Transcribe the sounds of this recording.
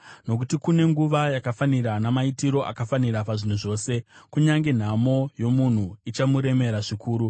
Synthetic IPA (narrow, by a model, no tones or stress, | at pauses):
no̞kutikune̞ŋɡuʋajakafaniɾanamaitiɾo̞ʔa̰kafaniɾapaʐin̤uʐo̞ːse̞kuɲaŋɡe̞n̤amo̞jo̞mun̤uit͡ʃamuɾe̞me̞ɾaʐikʰuːɾu